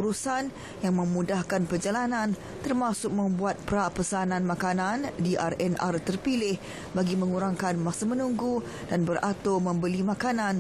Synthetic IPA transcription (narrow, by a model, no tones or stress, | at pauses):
uɾusan | jaŋmə̃mudahkanpərd͡ʒalanãn | t̪ərmãsʊk̚mə̃mbuat̪̚pəɾapəsanãnmakanãndiʔa̰rɛnʔa̰rt̪ərpilɪh | baɡimə̃ŋuɾaŋkanmasamə̃nuŋɡu | d̥anbərat̪omə̃mbəlimãkanãn